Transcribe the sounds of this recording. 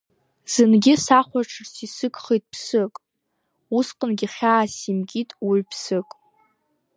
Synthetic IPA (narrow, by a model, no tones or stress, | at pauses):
z̥ɨnɡʲɪsaχʷaʈ͡ʂʰɨrsisɨkʰʼχijtʼpʰsɨkʼ | usqʼənɡʲiχʲaːsimɡʲitʼiɥpʰsɨkʼ